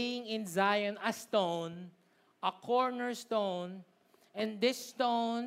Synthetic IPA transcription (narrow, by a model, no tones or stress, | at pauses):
jɪ̃ŋɪ̃nzajɐ̃nɐst̪õwn | ʔɐkʰɔɹnɛɹst̪õwn | ɛ̃nd̪ɪst̪õn